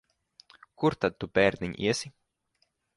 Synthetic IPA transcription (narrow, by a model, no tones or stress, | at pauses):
kuɾt̪ad̪̚t̪ːupɛːɾnʲiɲʲḭɛsʲi